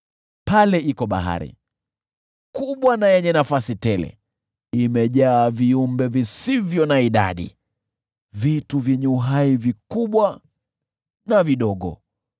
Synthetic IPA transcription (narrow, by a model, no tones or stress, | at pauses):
palɛikɔɓa̰ɦa̰ɾḭ | kuɓwanajɛɲɛnafasitɛlɛ̰ | imɛʄaːviumbɛvisivjɔnaiɗa̰ɗḭ | vituvjɛɲɛuɦaivikuɓwa | naviɗɔɠɔ̰